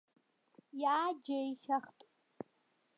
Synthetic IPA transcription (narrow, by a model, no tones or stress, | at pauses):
jaːd͡ʒajɬaχtʼ